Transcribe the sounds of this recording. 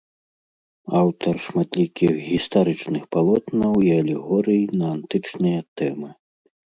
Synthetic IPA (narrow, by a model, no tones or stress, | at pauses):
awt̪ʰɐrʂmat̪lʲikʲixɣʲist̪aɾɨt͡ʂnɨxpalˠɔt̪nɐwiɐlʲɛɣɔɾɨjinɐant̪ɨt͡ʂnɨjɐt̪ɛmɨ